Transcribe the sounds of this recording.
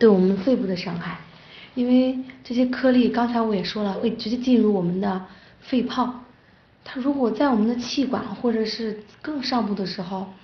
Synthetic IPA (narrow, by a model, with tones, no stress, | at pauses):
t̪we˥˩ɪwɔ˨˩mə˦nfe˥˧ɪpu˥˩d̪ə˩ʂɑ˥ŋxa˥˩ɪ | i˥nwe˥˧ɪʈ͡ʂɤ˥˩ɕ̬jɛ˥kʰɤ˥˧li˥˩kɑ˥ŋt͡sʰa˧˥ɪwɔ˧˥jɛ˨˩ʂwɔ˥lə˨xwe˥˩ɪt͡ɕt͡ɕʰɛ˥˧t͡ɕi˥˧nɻu˥˩wɔ˨˩mə˦nd̪ə˧ | fe˥˧ɪpʰɑ˥˩ʊ | t̪ʰa˥ɻu˧˥kwɔ˨˩t͡sa˥˩ɪwɔ˨˩mə˧˦nd̪ə˧t͡ɕʰi˥˩kwa̰˨˩˦nxwɔ˥˩ʈ͡ʂɤ˨˩ʂɻ̩˥˧kɤ˥˧ŋʂɑ˥˧ŋpu˥˩d̪ə˩ʂɻ̩˧˥xo˥˧ʊ